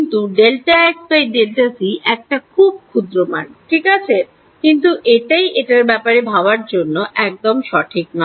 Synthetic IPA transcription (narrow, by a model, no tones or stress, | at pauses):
int̪uɖelʈaɛksbajɖelʈasiʔɛk̚ʈakʰub̚kʰud̪ɾomanʈʰikat͡ɕʰe | kint̪uʔeʈajʔeʈaɾbɛpaɾebʱaoaɾd͡ʑonːoʔɛk̚d̪omʃɔʈʰik̚nɔ